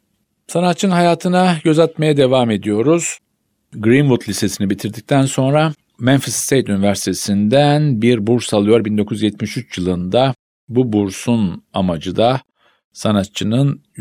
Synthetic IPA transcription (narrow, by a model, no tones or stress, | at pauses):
sanat̪̚t͡ʃʰːɯnɦajaːt̪ʰɯnaɟø̞zat̪mejad̪e̞vaːme̞d̪ijo̞ɾuz̥ | ɡɾinvut̪ʰlʲise̞sinibit̪ʰiɾd̪ic̚t̪ʰænso̞nɾa | mænfist̪ʰejt̪ynivæɾsi̥t̪ʰesind̪ænbiɾbuɾsalˠɯjo̞ɾbind̪o̞kʰuzjɛt̪miʃyt͡ʃjɯlˠɯnd̪a | bubuɾsunamad͡ʒɯd̪a | sanat̪̚t͡ʃʰɯnɯn